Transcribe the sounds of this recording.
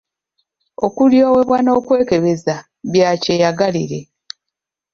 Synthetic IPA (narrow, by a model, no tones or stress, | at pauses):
o̞kuljo̞ːwe̞βwano̞ːkwe̞ːke̞βe̞za | βjaːce̞jaɡalḭɾe̞